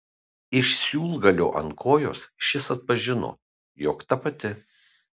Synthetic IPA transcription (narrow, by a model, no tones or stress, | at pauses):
ɪʃʲsʲuːlˠɡɐlʲo̰ːʔɐ̰nkʰoːjo̰ːsʃʲɪsɐt̪̚pɐʒʲɪno̰ː | joːkt̪ɐpɐt̪ʲɪ